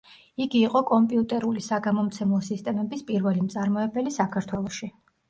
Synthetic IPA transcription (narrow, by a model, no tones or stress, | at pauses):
iɡiːqʼɔkʼɔmpʼiut̪ʼɛɾulisaɡamɔmt̪sʰɛmɔsist̪ʼɛmɛbispʼiɾvɛlimt̪sʼaɾmɔɛbɛlisakʰaɾt̪ʰwɛlˠɔʃi